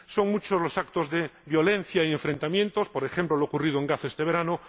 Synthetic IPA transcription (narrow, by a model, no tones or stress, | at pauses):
so̞ŋmut͡ʃozlo̞sak̚t̪ozðeβjo̞le̞n̟θjaieɱfɾẽ̞nt̪amje̞nt̪ospo̞ɾe̞xemplolookurið̞oeŋɡaθe̞st̪e̞β̞e̞ɾano